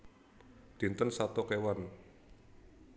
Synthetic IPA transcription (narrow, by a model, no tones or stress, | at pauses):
d̪̥i̤nt̪ənsat̪ɔkewan